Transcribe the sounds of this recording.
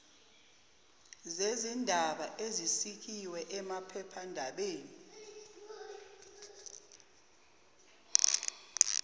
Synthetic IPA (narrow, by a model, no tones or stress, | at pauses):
zezindʱaɓaʔezisik̬ʰiwɛʔɛmapʰɛpʰandʱaɓeːnii